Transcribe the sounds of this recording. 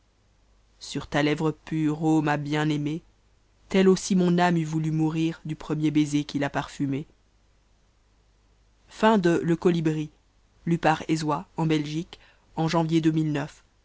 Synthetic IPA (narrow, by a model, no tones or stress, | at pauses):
syʁt̪alɛvʁəpyʁomabjɛ̃neme | t̪ɛlosimɔ̃namyvulymuʁiʁd̪ypχəmjebezekʲilapaʁfyme | fɛ̃d̪ələkɔlibʁi | lypaʁezwaɑ̃bɛlʒik | ɑ̃ʒɑ̃vjed̪ømilnœf